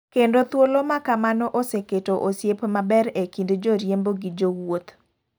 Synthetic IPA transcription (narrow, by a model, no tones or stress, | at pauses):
kendot̪wolomakamanɔʔoseketoʔosjepmabɛɾekindd͡ʒoɾjemboɡɪd͡ʒowwot̪